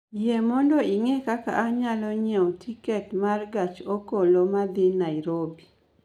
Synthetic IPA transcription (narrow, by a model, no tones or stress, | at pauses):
jɛmɔndɔiŋekaka̰ʔaɲalɔɲɛotʰikɛtmarɡat͡ʃokolomad̪ɪnaɪɾobi